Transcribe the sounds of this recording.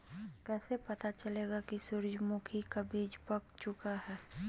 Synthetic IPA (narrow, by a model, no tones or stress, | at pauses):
kɛːsepɐt̪at͡ʃɐleːɡakisʊɾd͡ʒmʊkʰikabʱiːd͡ʒpək̚t͡ʃʊkahɛː